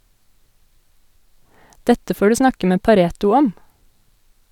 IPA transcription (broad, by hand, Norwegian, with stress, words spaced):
ˈdɛtə ˈfoː ˈɖʉː ˈsnɑkə ˈmeː pɑˈɾeːtʊ ˈɔm